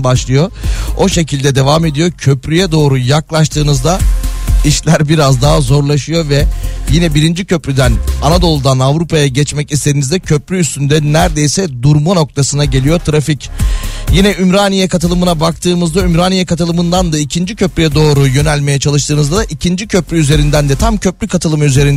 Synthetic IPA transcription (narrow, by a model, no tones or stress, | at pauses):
baʃlˠɯjo̞o̞ʃe̞cʰilʲd̪ɛd̪e̞vaːme̞d̪ijo̞cʰø̞pɾyjɛd̪o̞ːɾujaklˠaʃt̪ʰɯːnɯzd̪aiʃlʲæɾbiɾazd̪aɦazo̞ɾlˠaʃɯjo̞vɛjinɛbiɾind͡ʒicʰø̞pɾyd̪ænanad̪o̞lˠɯd̪anavɾupajaɟɛt͡ʃmɛcist̪e̞d̪inizd̪ɛcʰø̞pɾyːst̪ynd̪ɛnæɾd̪e̞jsɛd̪uɾmano̞k̚t̪ʰasɯnaɟe̞lʲijo̞t̪ʰɾaficjinɛʔymɾaːnijɛkʰat̪ʰɯlˠɯmɯnabak̚t̪ʰɯːmɯzd̪aymɾaːnijɛkat̪ʰɯlˠɯmɯnd̪and̪aicʰind͡ʒicʰø̞pɾyjɛd̪o̞ːɾujø̞nælʲme̞jɛt͡ʃʰalˠɯʃt̪ʰɯːnɯzd̪ad̪aʔicʰind͡ʒicʰø̞pɾʲyyze̞ɾind̪ænd̪ɛt̪ʰamcʰø̞plʲykʰat̪ʰɯlˠɯmyze̞ɾin